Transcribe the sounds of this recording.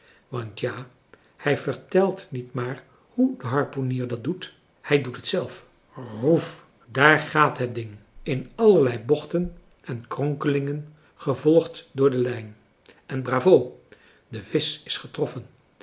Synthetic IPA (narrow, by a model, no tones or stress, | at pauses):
ʋɑntjaː | hɛjvəɹtɛlˠtnitmaːɹ | hudəɦɑɹponiːɹdɑt̚dut | hɛjdutətsɛlˠf | ruf | daːɹχaːtɦət̚dɪŋɪnɑləɹlɛjbɔχtən | ʔɛnkrɔŋkəlɪŋən | χəvɔlˠχtdʊːɹdəlɛjn | ɛnbraːvow | dəvɪsɪ̥sχətrɔfən